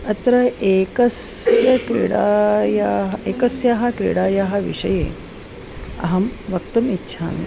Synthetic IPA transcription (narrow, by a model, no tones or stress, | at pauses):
ɐt̪ɾɐʔeːkɐsjɐkɾḭɽaːjaɦɐeːkɐsjaɦɐkɾḭɽaːjaɦɐ̆ʋḭʂɐjḛː | ɐ̰ɦɐmʋɐk̚t̪ɐmitːɕʃʰa̰ːn